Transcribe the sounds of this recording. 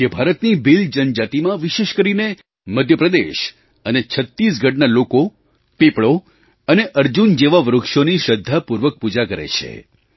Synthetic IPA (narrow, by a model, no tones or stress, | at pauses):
kebʱaɾət̪nibild͡ʒənd͡ʒat̪imãʋiʃeʃkəɾine | məd̪ʱjəpɾəd̪eʃ | ənet͡ʃʰət̪ːis̬ɡʱəʈnaloko | pepɭo | əneʔəɾd͡ʒund͡ʒeʋaʋɾukʃoniʃəd̪ʱːapuɾʋək̚pud͡ʒakəɾḛt͡ʃʰḛ